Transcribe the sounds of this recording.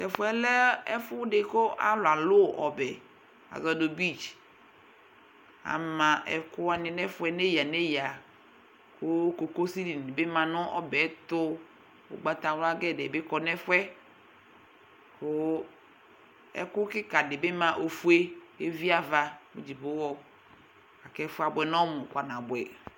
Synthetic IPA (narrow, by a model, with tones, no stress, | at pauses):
tɛ˨fʊ˦ɛ˦lɛ˦ɛ˦fʊ˦dɪ˦ko˦ʔa˦lʊ˨a˨lʊ˦˨ʔɔ˨bɛ˨ | a̰˨zɔ˨do˨bi˦˨d͡ʒ | a̰˨mã˨ɛ˨kʊ˦a˨nɪ˨nɛ˦fʊ˦ɛ˦ne˦ja˨ne˦ja˨ | kʊ˦ko˨ko˦si˦li˨nɪ˨be˦mã˨nʊ̃˦ʔɔ˦bɛ˨˦t̪ʊ˦ | ʊ̰˨ɡ͡ba˨t̪a˨wa˦ɡɛ˦˨dɛ˨bɪ˦kɔ˨nɛ˦fɛ˦ | kʊ˦ | ɛ̰˨kʊ˦kɪ˦ka˨dɪ˨bɪ˦mã˨ʔo˨fu˦e˦e˦vi˦a˨va˨mu˨˦d͡ʒi˨bʊ˦wɔ˦ | a˨kɛ˦fʊ˦a˨bɛ˨nɔ˦mʊ˨kʷa˨nã˨bʊ˨ɛ˨